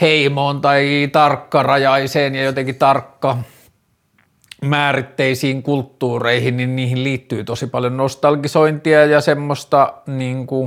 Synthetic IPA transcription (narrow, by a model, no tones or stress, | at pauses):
heimoːnt̪ɑit̪ɑrkːɑrɑjɑiseːnjɑjot̪eŋkit̪ɑrkːɑ | mæːrit̪ːeisiːŋkult̪ːuːreihinninniːhilliːt̪ːyːt̪osipɑljonnost̪ɑlɡisoint̪iɑjɑsemːost̪ɑniːŋku